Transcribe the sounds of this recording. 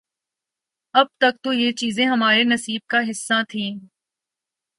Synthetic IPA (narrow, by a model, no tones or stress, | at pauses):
ɐb̚t̪ɐk̚t̪ojet͡ʃiːzẽɦɐmaːɾenɐsiːb̚kaɦɪsːãt̪ʰĩː